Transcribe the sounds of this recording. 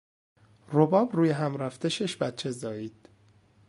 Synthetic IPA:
robɒːbruːjeɦæmɾæft̪eʃeʃbæt̪̚t͡ʃʰe̞zɒːjiːd̪̥

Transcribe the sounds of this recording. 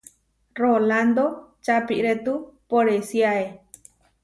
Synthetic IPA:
roland̪ot͡ʃapḭʔɾet̪upoɾesiae

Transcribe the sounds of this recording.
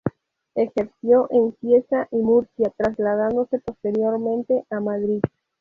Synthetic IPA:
e̞xeɾsjo̞ʔensjesaʔimuɾsjat̪ɾazlaðand̪o̞se̞po̞st̪e̞ɾjo̞ɾmẽ̞nt̪e̞ʔamaðɾið

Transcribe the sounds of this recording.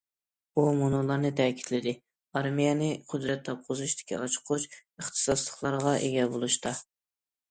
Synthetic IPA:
umonolˠɑɾnɨt̪ʰɛːkʲʰi̥t̪ʰlɪd̪ɪ | ɑɾmijɛnɪqʰʊd̪ɾɛt̪ʰːɑp̚qʰʊzuʃd̪ɪ̥kʲʰḭɑt͡ʃʰʊ̥qʰʊt͡ʃəχt̪ʰɨ̥sɑslˠəχlˠɑɾʁɑʔeɡʲɛbolˠuʃt̪ɑ

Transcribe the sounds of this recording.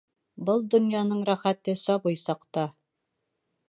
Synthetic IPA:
bɤlˠd̪ŏnjɑnɤɴɾæχæt̪ɘsɒbɤjsɑqt̪ɑ

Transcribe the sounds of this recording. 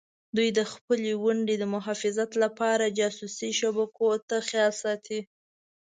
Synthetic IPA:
d̪ujd̪əxpəlewaɳɖed̪əmʊɦɑfɪzat̪lapɑɾad͡ʒɑsusiʃabakʰot̪axjɑlsɑt̪ʰi

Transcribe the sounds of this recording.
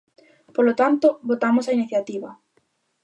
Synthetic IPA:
polot̪ant̪ʊβot̪amʊsainiθjat̪iβɐ

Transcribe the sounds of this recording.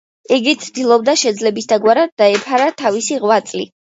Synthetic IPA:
iɡit̪sʰd̪ilˠɔbd̪aʃɛd̪zlɛbisd̪aɡwaɾad̪̚ːaɛpʰaɾat̪ʰavisiʁwat̪sʼli

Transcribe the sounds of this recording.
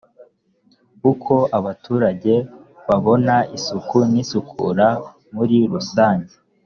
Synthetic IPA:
ukʰo̞ʔaβatʰuːɾaɟe̞ | βaβo̞naisukunisukʰṵɾa | muɾiɾusaːɲɟe

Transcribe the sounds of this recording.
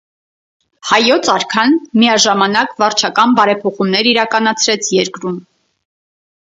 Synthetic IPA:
hɑjɔt͡sʰɑɾkʰɑnmijɑʒɑmɑnɑkvɑɾt͡ʃʰɑkɑnbɑɾɛpʰɔχumnɛɾiɾɑkɑnɑt͡sʰɾɛt͡sʰjɛɾkɾum

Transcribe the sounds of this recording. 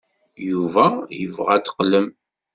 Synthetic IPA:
juvæjəvʁæt̪ːə̥qləm

